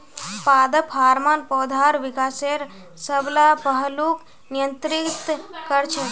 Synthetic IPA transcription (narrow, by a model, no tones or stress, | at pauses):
pad̪əpʰaːɾmanpɔːd̪ʱaɾʋikaːseɾ | səblapəɦəluk | nijənt̪ɾikt̪kəɾt͡ʃʰə